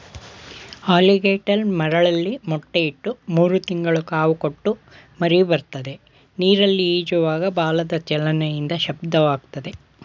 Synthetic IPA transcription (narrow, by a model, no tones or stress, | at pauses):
aːliɡeːʈɐlmɐɾɐɭɐlːimɔʈːeiʈːumuːɾut̪iŋɡɐɭukaːʋukoʈːu | mɐɾibɐɾt̪ɐd̪e̞ | niːɾɐlːiiːd͡ʒuʋaːɡɐbaːlɐd̪ɐt͡ʃɛlɐnɐjind̪ɐʃɐb̚d̪ɐʋaːɡt̪ɐd̪e̞